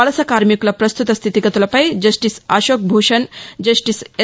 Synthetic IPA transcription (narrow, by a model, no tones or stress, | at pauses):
ɐlɐsɐkaːɾmiklɐpɾɐst̪ut̪ɐst̪ʰit̪ikɐt̪ulɐpɐjd͡ʒɐsʈisaːʃoːk̚bʱuːʃɐnd͡ʒɐsʈise